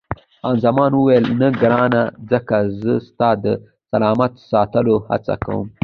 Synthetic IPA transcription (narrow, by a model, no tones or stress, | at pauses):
ɑnzamɑːnwuwajlnaɡɾɑnazəkazəst̪ɑːd̪ə | salɑmat̪sɑːt̪əloha̰t͡sa̰ka̰wə̰m